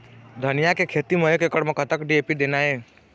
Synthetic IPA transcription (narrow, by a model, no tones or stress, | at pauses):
d̪ʱənijakekʰet̪iməɦekekəɽmẽkət̪əkɖiepid̪enae